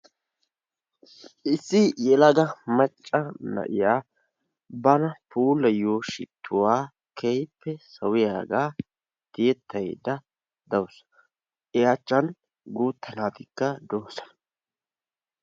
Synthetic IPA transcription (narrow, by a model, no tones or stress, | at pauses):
ʔɪsːɪjɛlɐɡɐmɐt͡ʃʼːɐnɐ̰ʔɪjaː | bɐnɐpʰuːlːɐjoːʃɪ̰t̪ʰːʊwaː | kʰejpːɛsɐwɪjaːɡaː | t̪ɪjɛt̪ʰːɐj̰d̪ɐ | d̪ɐws | ʔɛjat͡ʃːɐn | ɡuːt̪ʰːɐnaːt̪ɪkːɐd̪oːsɐ̥nɐ̥